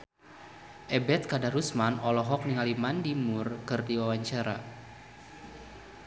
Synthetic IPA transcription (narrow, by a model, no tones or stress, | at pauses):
ʔɛbɛt̪̚kadaɾusmanɔlɔɦɔk̚niŋalimandimurkɨrdiwawaɲt͡ʃaɾa